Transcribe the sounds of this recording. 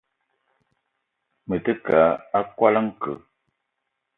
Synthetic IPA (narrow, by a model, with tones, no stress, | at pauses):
mə˨tə˦ka˨˦a˦kwa˦lə˦ŋ̩˦kə̰˨